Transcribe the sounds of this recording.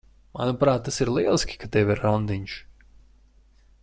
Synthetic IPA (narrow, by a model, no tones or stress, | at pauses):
manupɾaːt̪̚ːasiɾlˠiɛlˠisʲkʲi̥kat̪ɛviɾːɔnd̪iɲʲʃ